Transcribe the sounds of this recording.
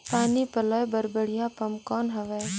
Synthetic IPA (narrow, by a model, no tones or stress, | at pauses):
paːnipɐlɔːjbəɾbəɽ̤ijãpɐmkɔːnɦɐʋɛj